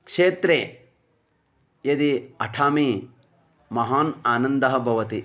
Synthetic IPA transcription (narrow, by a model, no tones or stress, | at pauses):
kʂeːt̪ɾeː | jɐd̪iɐʈʰaːmi | mɐɦaːnaːnɐnd̪ɐɦɐ̆bʱɐʋɐt̪i